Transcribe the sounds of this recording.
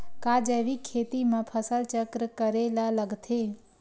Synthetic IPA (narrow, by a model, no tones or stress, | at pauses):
kad͡ʒeʋikʰːeːt̪imãpʰəsəlt͡ʃəkɾəkəɾelaləɡt̪ʰe